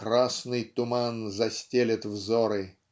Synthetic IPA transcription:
krasnɨjt̪ʊmanzɐsʲtʲelʲɪt̪vzoɾɨ

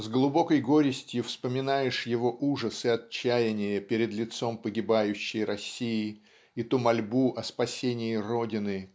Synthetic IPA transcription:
zɡlˠʊbo̞kəjɡo̞ɾʲɪsʲtʲjʊfspəmʲɪnajɪʂjɪvo̞ʔuʐəsɨɐt͡ɕːæjɪnʲɪjəpʲɪɾʲɪd̪lʲɪt̪so̞mpəɡʲɪbajʉɕːɪjrɐsʲːijɪ | it̪umɐlʲbuʔɐspɐsʲenʲɪjɪro̞dʲɪnɨ

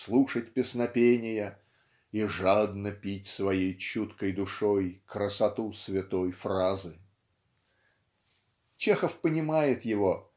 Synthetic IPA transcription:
slˠuʂət̚ʲpʲɪsnɐpʲenʲɪjə | iʐad̪nəpʲitʲsvɐjejt͡ɕut̪kəjd̪ʊʂojkɾəsɐt̪usvʲɪt̪ojfrazɨ | t͡ɕexəfpənʲɪmajɪt̪jɪvo

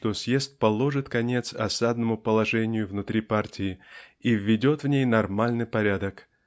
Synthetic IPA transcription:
t̪osʲjest̪̚pɐlˠo̞ʐɨt̪kɐnʲe̞t̪sɐ̰sad̪nəmʊpəlˠɐʐɛnʲɪjʊvnʊt̪ɾʲipartʲɪɪivʲːɪdʲo̞t̪vnʲejnɐrmalʲnɨjpɐɾʲad̪ək

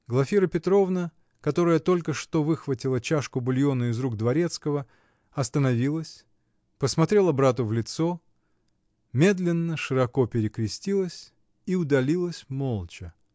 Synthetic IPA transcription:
ɡlˠɐfʲiɾəpʲɪt̪ɾo̞vnə | kɐt̪o̞ɾəjət̪o̞lʲkəʂt̪o̞vɨxvətʲɪlˠət͡ɕaʂkʊbʊlʲjonəɪzɾuɡ̚d̪vɐɾʲe̞t̪skəvə | ɐst̪ənɐvʲilˠəsʲ | pəsmɐt̪ɾʲe̞lˠəbɾat̪̬ʊvlʲɪt̪so | mʲe̞d̪lʲɪnːəʂɨɾɐko̞pʲɪɾʲɪkɾʲɪsʲtʲilˠəsʲ | iʊd̪ɐlʲilˠəsʲmo̞lˠt͡ɕɪ

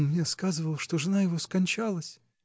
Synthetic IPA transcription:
nmnʲeskazɨvəlˠʂt̪o̞ʐɨnajɪvo̞skɐnʲt͡ɕalˠəsʲ

